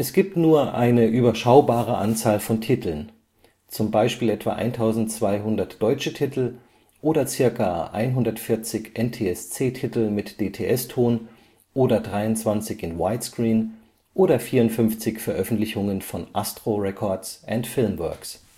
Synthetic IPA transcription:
ʔɛsɡ̥iːp̚tnuːɐʔa̰ɪnəʔyːbɐʃaʊbaːʁ̞əʔant͡saːlfɔntʰitʰl̩n | t͡sʊmbaɪʃpiːlʔɛtv̥a̰ːʔa̰ɪntʰaʊzn̩tt͡sv̥aɪɦʊndɐtd̥ɔʏt͡ʃətʰitʰl̩ | ʔoːdɐt͡sɪɐkaʔa̰ɪnɦʊndɐtfɪɐt͡sɪçʔɛntʰeːɛst͡seːtʰɪtl̩mɪtd̥eːtʰeːʔɛstʰoːn | ʔoːdɐdʁaɪʊntt͡sv̥ant͡sɪçɪnwaɪtskʁ̥iːn | ʔoːɾɐfiːɐʊntfʏmft͡sɪçfɛɐʔœfn̩tlɪçʊŋənfɔnʔastʁ̥oʁɛkʰɔɐsʔɛntfɪlmvœ̰ɐks

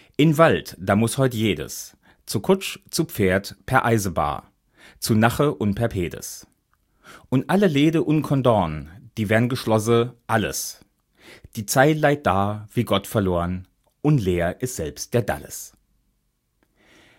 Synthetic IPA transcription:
ʔɪmvaltd̥aːmʊshɔʏtəjeːdə̰s | t͡sukʰʊt͡ʃt͡sup͡feːɐtpʰɛɐʔaɪzəba̰ː | t͡sunaχəʔʊntpʰɛɐpʰeːdə̰s | ʔʊntʔaləleːdəʔʊntkʰɔndɔɐnd̥iːveːɐdn̩ɡəʃlɔsəʔalə̰s | d̥iːt͡saɪtlaɪt̚d̥aːv̥iːɡɔtfɛɐloːʁən | ʔʊntleːɐʔɪstz̥ɛlpst̚d̥eːɐda̰lə̰s

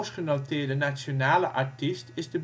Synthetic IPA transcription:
sχənowtɪːdənasjonaːləʔɑɹtistɪzdəb

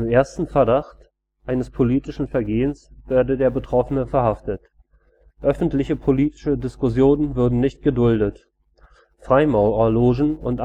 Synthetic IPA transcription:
ɪmeːɐstn̩fɛɐdaχt | ʔaɪnəspʰoliːtɪʃn̩fɛɐɡeːənsv̥ɛːɐdədeːɐbətʁ̥ɔfənəfɛɐhaftət | ʔœfn̩tlɪçəpʰoliːtɪ̥ʃədɪskʊsjoːnənvʏɐdn̩nɪçt̚ɡ̥ədʊldət | fʁ̥aɪmaʊoɐloːʒn̩ʊntʔa

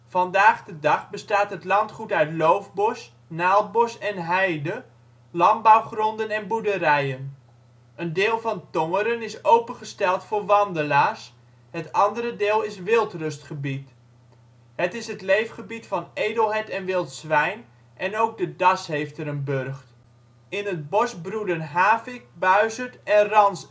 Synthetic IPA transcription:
vɑndaːχdədɑχbəstaːtɦətlɑntχutœɥtlowvbɔs | naːlˠbɔsɛnɦɛjdə | lɑnbawχrɔndənɛnbudəɾɛjən | ʔəndɪːlˠvɑntoŋəɾənɪsowpənχəstɛlˠtfʊːɹʋɑndəlaːrs | hətɑndəɾədɪːlˠɪsʋɪlˠtrɵstχəbit | hətɪsɦətlejfχəbitfɑnejdəlˠɦɛjtɛnʋɪlˠtsʋɛjn | ʔɛnowk̚dədɑshejftəɾənbørχt | ɪnət̚bɔsbrudənɦaːfɪk̚bœɥzətɛnrɑns

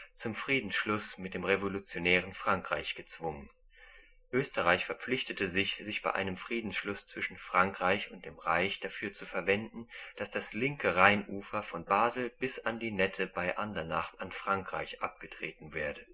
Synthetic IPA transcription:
t͡sʊmfʁ̥iːdn̩sʃlʊsmɪt̚d̥eːmʁevolut͡sjonɛːʁənfʁ̥aŋkʁ̥a̰ɪçɡ̥ət͡sv̥ʊŋən | ʔøːstəʁaɪçfɛɐp͡flɪçtətəzɪçz̥ɪçb̥a̰ɪʔa̰ɪnəmfʁ̥iːdn̩sʃlʊst͡sv̥ɪʃn̩fʁ̥aŋkʁ̥aɪçʊnt̚d̥eːmʁaɪçd̥afyːɐt͡sufɛɐvɛndn̩d̥asd̥aslɪŋkəʁaɪnʔuːfɐfɔnbaːzl̩b̥ɪsandiːnɛtʰəbaɪʔandɐnaχtanfʁ̥aŋkʁ̥a̰ɪçʔa̰p̚ɡ̥ətʁ̥eːtn̩vɛːɐdə

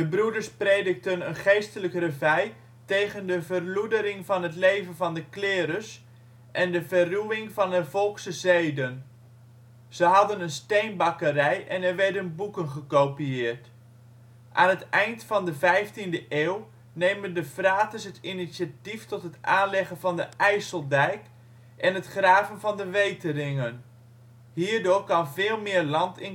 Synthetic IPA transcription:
dəbruədəɹspreːdək̚tənənχejstələkrəvɛj | tejɣəndəvərludəɾɪŋvɑnɦətlejvənvɑndəklɪːɾəs | ʔɛndəvəruʋɪŋvɑnəvɔlˠksəzejdən | z̥əɦɑdənənstejnbɑkərɛjʔɛnɛrʋɛɹdənbukənχəkowpiɪːɹt | ʔaːnɦətɛjntfɑndəvɛjftindəʔeːw | nejməndəfraːtəsɦətʰinisatiftɔtɦətʔaːnlɛɣənvɑndəʔɛjsəlˠdɛjk | ʔɛnətχraːvənvɑndəʋejtərɪŋən | hiːɹdʊːɹkɑnvɪːlˠmɪːɹlɑntɪn

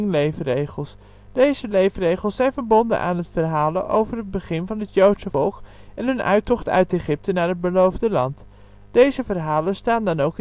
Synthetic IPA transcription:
ŋlejvərejχəlˠs | d̥ejzəlejvərejχəl̩ˠsɛjnvəɹbɔndə̰nʔa̰ːnɦətfərɦaːləʔowvərɦəd̚bəχɪnvɑnɦətjowtsəfɔlˠkɛnɦɵnʔœ̰ɥtɔχtœ̰ɥteχɪp̚tənaːɹɦəd̚bəlowvdəlɑnt | d̥ejzəvərɦaːlənstaːndɑnowk

